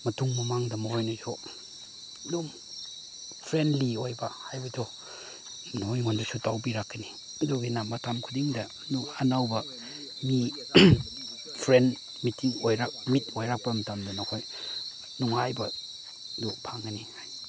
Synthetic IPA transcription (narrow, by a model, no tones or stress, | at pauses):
mɐtuŋmɐmaŋdɐmɐhojnɐzo | dom | pʰɾendliojbɐhajbɐdo | nojŋondusutawbiɾakːɐni | ɐduɡinamatamkʰudiŋdɐ | nanawbɐ | mi | pʰɾend | mitʰiŋojɾamitojɾak̚pɐmɐtamdɐnɐkʰoj | nuŋajbɐ | dupʰaŋɡɐnihaj